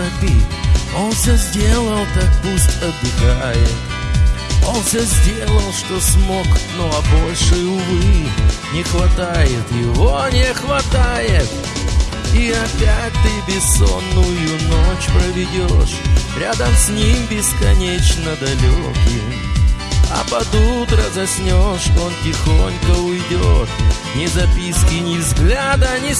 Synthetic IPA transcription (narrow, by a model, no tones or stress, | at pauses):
ɐpʲio̞nsʲozʲdʲelˠəlˠk̪ak̚pusʲt̪ʲɐd̪ɪɡajɪt̪ | o̞nfsʲozʲdʲe̞lˠəlˠʂt̪o̞smo̞knoɐbo̞lʲʂɨʊvɨnʲɪxvɐt̪ajɪt̪jɪvonʲɪxvɐt̪ajɪt̪ | iɐpʲæt̚ʲt̪ɨbʲɪsonːʊjʊnot͡ɕpɾəvʲɪdʲoʂɾʲad̪əmsʲnʲimbʲɪskɐnʲet͡ɕnəd̪ɐlʲokʲɪ | ɐ̰pɐd̪ut̪ɾəzɐsʲnʲoʂo̞ntʲɪxonʲkəʊjdʲo̰t̪ | nʲɪzɐpʲiskʲɪnʲɪzɡlʲad̪ənʲɪ